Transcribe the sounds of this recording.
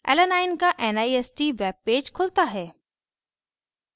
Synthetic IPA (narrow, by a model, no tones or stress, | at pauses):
ɛ̰lənaːɪnkaʔɛnaːieːsʈiʋɛːb̚peːd͡ʒkʰʊlt̪aɦɛː